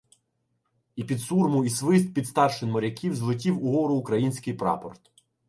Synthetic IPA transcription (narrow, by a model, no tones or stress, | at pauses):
ipʲid̪surmʊisʋɪst̪̚pʲid̪st̪ɑrʃɪnmɔɾʲɐkʲiwzlˠɪt̬ʲiwʊɦɔɾʊːkɾɐjinʲsʲkɪjpɾɑ̰pɔ̰rt̪